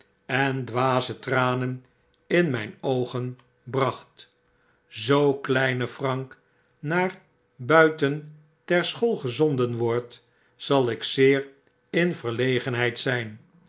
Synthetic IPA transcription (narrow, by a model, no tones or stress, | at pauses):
ɛndʋaːzətraːnən | ɪnmɛjnowχən | brɑχt | zowklɛjnəfrɑŋk | naːɹ | bœɥtən | tɛɹsχolˠχəzɔndənʋɔɹt | sɑlˠɪksɪːɹ | ɪnvəɹlejχənɦɛjtsɛjn